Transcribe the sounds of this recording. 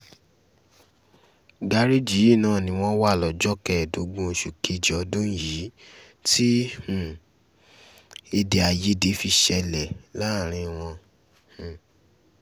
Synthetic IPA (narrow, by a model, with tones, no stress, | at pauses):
ɡa˧˦ɾi˦d͡ʒi˨˦i˦˨nãː˦˨nĩ˧˦w̃ɔ̃˦wa˦˨lɔ˨d͡ʒɔ˦kɛ˦˨do˨˦ɡ͡bũ˦˨ʃu˨ke˧d͡ʒi˨ɔ˧dũ˦ji˨˦ | ti˦hũ˨ | e˧de˧a˧je˦de˨˦fi˧ʃɛ˧lɛ˨la˦˨ɾ̃ĩ˨˦w̃ɔ̃˧ | hũ˨